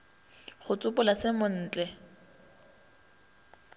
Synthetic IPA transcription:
χʊt͡sʼʊpʊlasɪmʊn̩ːt͡ɬʼɛ

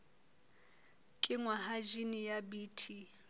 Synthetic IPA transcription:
kʼɪŋwaɦad͡ʒinijabiːtʰi

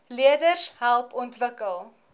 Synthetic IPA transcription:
liədəsɦælˠpɔntvəkəlˠ

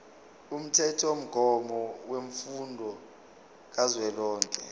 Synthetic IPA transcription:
um̩tʰɛtʰom̩ɡ̥ʱɔmɔweɱfundʱɔ | k̬azwɛlɔːŋkʼɛ

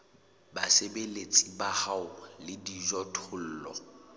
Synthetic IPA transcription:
basebelet͡sʼibahaʊlɪdiʒɔtʰʊl̩ːlɔ̰

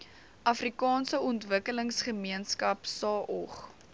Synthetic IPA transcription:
ʔɐfrikɑːnsəɔntvəkələŋsχəmiənskɐpsɑːʔɔ̰χ

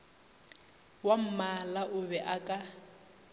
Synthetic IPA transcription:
wam̩malaʔʊβɛʔakʼa

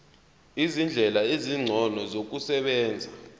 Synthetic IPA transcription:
izind͡ɮʱɛlaeziŋ͡ǀʱɔnɔzok̬usɛɓɛːnd͡zʱa

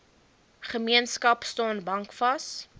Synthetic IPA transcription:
χəmiənskɐpstɑːnbɐŋkfɐs

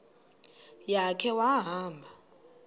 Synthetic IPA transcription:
jakʰɛwaɦaːmbʱa

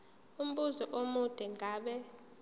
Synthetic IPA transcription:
um̩ɓuzɔʔomud̥ʱɛŋʱaːɓɛ

